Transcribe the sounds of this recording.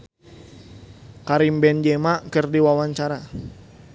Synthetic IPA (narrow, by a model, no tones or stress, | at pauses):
kaɾimbɛnd͡ʒɛmakɨrdiwawaɲt͡ʃaɾa